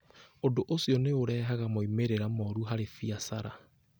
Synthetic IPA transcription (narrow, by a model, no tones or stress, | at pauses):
odoʔosiɔneoɾɛːɦaɣamoimeɾeɾamɔɾuɦaɾefiasaɾa